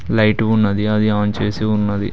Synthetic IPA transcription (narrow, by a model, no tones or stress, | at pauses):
lɐjʈuunːɐd̪iɐd̪iaːnt͡ʃeːsiunːɐd̪ḭ